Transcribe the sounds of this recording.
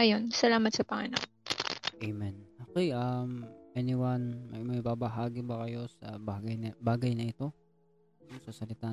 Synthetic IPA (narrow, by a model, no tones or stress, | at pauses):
ajo̞nsɐlaːmɐt̪sɐpɐŋɐna̰k̚ʔejmɛnoːkɛjʔɐmʔɛnɪwanmɐjmɐjbaːbɐɦaːɡɪbɐkɐjo̞sɐbaɡɐj̪ɐbaːɡɐjnɐɪt̪o̞ | nosɐsɐlɪt̪aː